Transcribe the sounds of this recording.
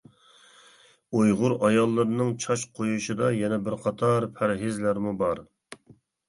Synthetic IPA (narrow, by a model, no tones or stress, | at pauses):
ojʁʊɾɑjɑlˠːɨɾnɨŋt͡ʃʰɑʃqʰojuʃɨd̪ɑjɛnɛbɪɾqʰɑt̪ʰɑɾpʰæɾɦɪzlæɾmubɑɾ